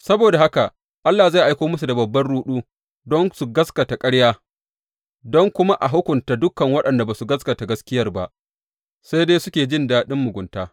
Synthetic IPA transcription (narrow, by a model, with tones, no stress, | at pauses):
sɐ˦boː˨da˨ha˦ka˨ | ʔa˦lːaː˨za˦˨ʔa˦jkʷoː˦mʊ˦s̬u˨da˨bɐ˨bːɐ˦nɽuː˦ɗuː˦ | dɔ˦nsu˨ɡɐ˦skɐ˨ta˨kʼɐ˦ɽjaː˦ | dɔ˦ŋkʷʊ˦ma˦ʔa˨ɦʊ˦kʷʊ˨nta˨dʊ˦kːɐ˨ŋwɐ˦ɗɐ˨nda˨ba˨su˨ɡɐ˦skɐ˨ta˨ɡɐ˦skʲɪ˦jɐ˦rba̰˨ʔ | sa˦jdeː˦sʊ˦kʲeː˨d͡ʒɪ˦ndaː˦˨ɗɪ˦mːʊ˨ɡʷʊ˨ntaː˦